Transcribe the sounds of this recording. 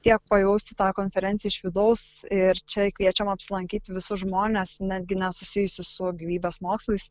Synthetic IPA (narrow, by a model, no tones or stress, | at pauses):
t̪ʲiɛk̚pɐjɛʊsʲt̪ʲɪt̪ɑːkoːnʲfʲɛɾʲɛnʲtsʲjɛɪʃʋʲɪd̪ɐʊsɪɾt͡ʃʲɛkʋʲiɛt͡ʃʲɛmɐpʲsʲɪlˠɐŋʲkʲiːt̪ʲʋʲɪsʊʒmoːnʲesnʲæːd̪ʲɡʲɪnʲɛsʊsʲɪjʊsʲʊsʊɡʲiʋʲiːbʲeːsmoːkslˠɐɪs